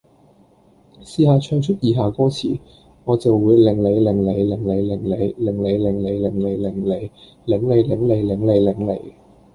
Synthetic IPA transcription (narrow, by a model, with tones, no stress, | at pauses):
siː˧haː˨t͡ʃʰœː˧ŋt͡ʃʰɵ˥t̚jiː˨˧ɦaː˨kɔː˥t͡sʰiː˨˩ | ŋɔː˨˧t͡sɐ˨wːuː˨˧jlɪ˨˩ŋle˨˧jlɪ˨˩ŋle˨˧jlɪ˨˩ŋle˨˧jlɪ˨˩ŋle˨˧jlɪ˨˩ŋle˨˧jlɪ˨˩ŋle˨˧jlɪ˨˩ŋle˨˧jlɪ˨˩ŋle˨˧j | lɪ˨˥ŋle˨˧jlɪ˨˥ŋle˨˧jlɪ˨˩˥ŋle˨˧jlɪ˨˩ŋlḛ˨˧j